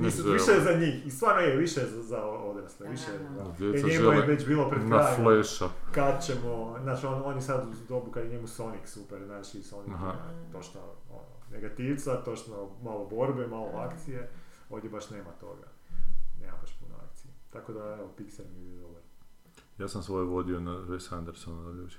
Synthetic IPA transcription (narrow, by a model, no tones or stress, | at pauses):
nisuʋiʃezaɲiːxist̪ʋaːɾejɛʋiʃezazaood̪ɾasleʋiʃe | deɲemujeʋet͡ɕbiːlˠopɾekɾaːjjleʃakad̪t͡ɕemoznaːt͡ʃononjesad̪d̪obukad̪jeɲemusoniksupeɾnaʃisonikt̪ot͡ʃnoo̰no̰neɡat̪iʋt̪sat̪o̞t͡ʃnomalˠobo̞ɾbemaːlˠoakt̪sije | o̞ːʋd̪jebaʃne̞ːmat̪o̞̰ɡa̰ | ne̞ːma̰baʃpuno̰a̰k̚t̪sijet̪akod̪aeʋopikselmjebid̪obaɾ | jaːsamsʋojeʋo̞d̪ionaesand̪eɾsonoɾo